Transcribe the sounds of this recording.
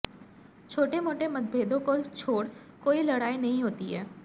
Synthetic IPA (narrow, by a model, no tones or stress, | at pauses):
t͡ʃʰoːʈemoːʈemɐd̪̚bʱeːd̪õkot͡ʃʰoːɽ | koːilɐɽaːinɐɦĩɦoːt̪iɦɛː